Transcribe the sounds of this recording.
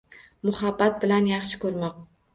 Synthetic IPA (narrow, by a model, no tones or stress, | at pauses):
mʊhabːat̪̚bɪlanjɑχʃɪ̥kʰɵɾmɒq̚